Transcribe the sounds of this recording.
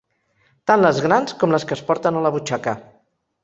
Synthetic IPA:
t̪anləzɣɾanskɔmləskəːspɔɾt̪ənaləβut͡ʃakə

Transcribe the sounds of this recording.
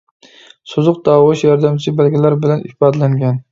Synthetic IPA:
sozʊq̚d̪ɑːwɨʃjɑɾd̪ɛmt͡ʃʰibælɡʲilæɾbɪlɛnʔḭbɑd̪læŋɡʲɛn

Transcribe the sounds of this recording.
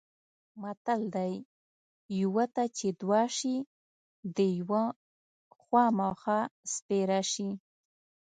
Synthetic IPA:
mat̪ald̪ajː | wat̪at͡ʃed̪wɑʃi | d̪əjwa | xwɑmɑxaspeɾaʃi

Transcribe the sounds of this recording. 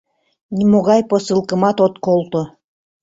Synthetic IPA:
nʲimoɣɑjposɨlˠkɤ̆mɑt̪ot̪kolˠt̪o

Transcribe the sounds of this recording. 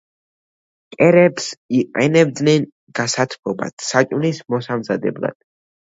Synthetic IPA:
kʼɛɾɛpsiqʼɛnɛb̚d̪nɛn | ɡ̥asat̪ʰpʰɔba̰t̪ʰsat͡ʃʼnismɔsamzad̪ɛ̰blˠa̰d̪̥̚

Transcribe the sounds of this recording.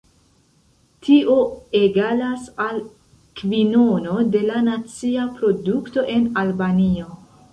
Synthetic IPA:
tʰiʔoeɡalasal | kvino̞no̞de̞lanat͡siapɾo̞dukto̞ʔe̞nalbanio̞

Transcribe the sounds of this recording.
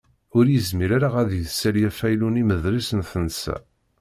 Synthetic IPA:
ʊɾjəzmiɾaɾaʁæðjəðsæljæfæjluniməðɾisənθənsæ̰

